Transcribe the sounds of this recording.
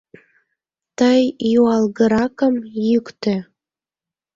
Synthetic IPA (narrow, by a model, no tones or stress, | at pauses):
t̪əjːuɑlɣə̆ɾɑkəmjykt̪ø̆